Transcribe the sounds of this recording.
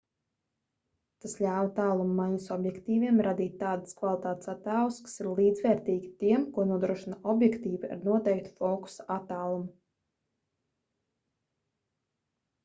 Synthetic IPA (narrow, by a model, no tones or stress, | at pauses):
t̪asʎʲaːwt̪aːlˠumːajɲusɔbjɛkt̪iːviɛmɾad̪iːt̪ʲːaːd̪əskvalˠit̪aːt̪e̥sat̪aːlˠskḁsiɾlˠiːd̪zvɛːɾt̪iːɡʲi̥t̪iɛmkuɔnuɔd̪ɾuɔʃinaɔbjɛkt̪iːvia̰ɾnuɔt̪ɛjkt̪u̥fɔːku̥saat̪aːlˠumu